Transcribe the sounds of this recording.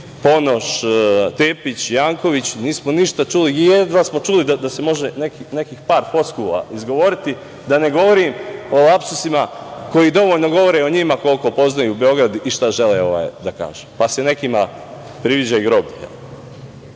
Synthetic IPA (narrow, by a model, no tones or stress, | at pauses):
po̞no̞ʃt̪eːpit͡ɕjaːŋko̞ʋit͡ɕniːsmoniʃt̪at͡ʃulijed̪ʋasmo̞t͡ʃulid̪ad̪ase̞mo̞ʒe̞nekinekiːxpaːɾfo̞skuːla̰izɡo̞ʋo̞ɾit̪i | d̪ane̞ɡo̞ʋoɾimo̞lˠapsusimako̞jiːd̪o̞ʋoʎno̞ɡo̞ʋo̞ɾeoɲimako̞lko̞po̞znajuːbe̞o̞ɡɾad̪uʔiʃt̪aʒe̞leo̞ʋa̰ːjd̪aka̰ːʒ̥epasene̞kima | pɾiʋid͡ʑajuɡɾo̞bejḛl